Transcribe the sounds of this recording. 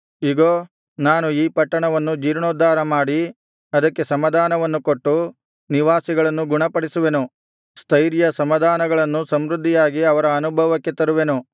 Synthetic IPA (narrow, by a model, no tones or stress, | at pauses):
iɡoː | naːnuiːpɐʈːɐɳɐʋɐnːud͡ʒiːɾɳoːd̪ʱːaːɾɐmaːɽi | ɐd̪ɐkːe̞sɐmɐd̪ʱaːnɐʋɐnːukoʈːu | niʋaːsiɡɐɭɐnːuɡuɳɐpɐɽisuʋe̞nu | st̪ʰɐjɾjɐsɐmɐd̪ʱaːnɐɡɐɭɐnːusɐmɾud̪ʱːijaːɡiɐʋɐɾɐːnubʱɐʋɐkːet̪ɐɾuʋe̞nu